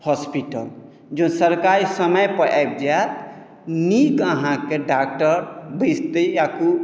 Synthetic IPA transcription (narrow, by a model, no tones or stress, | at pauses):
hɔspiʈəl | d͡ʒonsəɾkaɾisəməjpəʔa̰jb̚d͡ʒat̪ | nikəɦãkeɖak̚ʈəɾbʱist̪əjaku